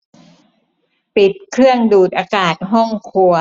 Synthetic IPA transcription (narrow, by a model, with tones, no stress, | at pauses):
pi˨˩t̪̚kʰɯ˥˩əŋduː˨˩t̪̚ʔaː˧kaː˨˩t̪̚ɦɔ˥˩ŋkʰu˧ɐ